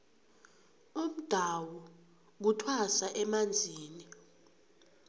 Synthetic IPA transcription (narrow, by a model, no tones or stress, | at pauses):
um̩d̥ʱawɔ | k̬utʰwasaʔɛmand͡zʱiːni